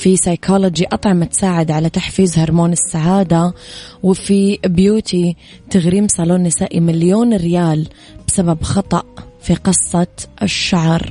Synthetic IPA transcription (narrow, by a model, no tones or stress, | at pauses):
fisɑjkʰɑlod͡ʒiʔɑt̪ˤʕɑmʔat̪saːʕɪd̪ʕalat̪aħfiːzhɑɾˤmoːnɪsːaʕaːd̪awɪfibjuːt̪ʰi | t̪aɣɾiːmsˤɑloːnːɪsaːʔimaljoːnɾɪjaːl | b̥ɪsababxɑt̪ˤɑʔfiqɨsˤːɑʃːaʕɾˤ